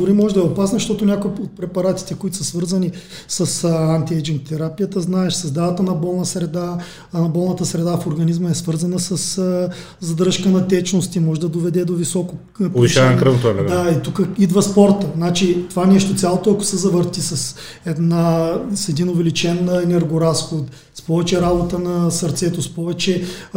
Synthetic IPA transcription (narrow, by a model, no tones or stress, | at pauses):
d̪ʊɾimɔʒɛd̪ɐɛopasnɐzɐʃt̪ɔt̪ʊnʲjakʊiot̪̚pɾɛpɐɾat̪i̥t̪ɛkoit̪ʊ̥sɐsvɤɾzɐni | səsant̪iɛd͡ʒinkt̪ʰɛɾapijət̪əznaɛʃsɐzd̪avɐt̪ənɐbɔlˠnəsɾɛd̪a | nɐbɔlˠnɐt̪əsɾɛd̪afoɾɡɐnizməɛsvɤɾzɐnəsəs | zɐd̪ɾəʃkənɐt̪ɛt͡ʃnost̪imɔʒɛd̪ɐd̪ovɛd̪ɛd̪ovisɔko | poiʃaɛnkɾət̪oanɛd̪ait̪ukəid̪vəspɔɾt̪ənat͡ʃit̪ovanɛʃt̪ot̪sʲjalˠot̪oɐkʊ̥sɛzɐvəɾt̪isɐs | ɛd̪nasɛd̪inʊvɛlit͡ʃɛnɛnɛɾɡʊɾasxot̪ | spɔvɛt͡ʃɛɾabot̪ənɐsɐɾt̪sɛt̪ospɔvɛt͡ʃɛ